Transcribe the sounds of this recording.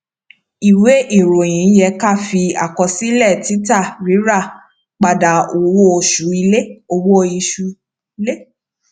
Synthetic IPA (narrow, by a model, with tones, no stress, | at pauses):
i˨we˨˦ʔi˦˨ɾo˨j̃ĩ˨˦jɛ˧ka˦˨fi˧a̰˨kɔ˧si˦lɛ˦˨ti˨˦ta˦˨ɾi˨˦ɾa˦˨ | k͡pa˨da˨o˨wo˦o˧ʃu˨˦i˧le˦o˧wo˦˧i˧ʃu˧ | i˧le˦